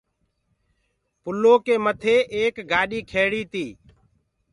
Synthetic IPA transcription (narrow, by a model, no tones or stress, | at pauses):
pʊlːoːkeːmət̪ʰeːʔeːkɡaːɗiːkʰeːɽiːt̪iː